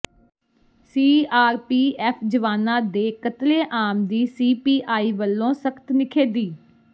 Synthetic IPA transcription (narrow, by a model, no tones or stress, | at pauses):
siːaːɾpiːʔɛːpʰd͡ʒəʋaːnãːd̪eːkət̪leːʔaːmd̪iːsiːpiːʔaːiːʋəlːõːsəkʰt̪nɪkʰeːd̪iː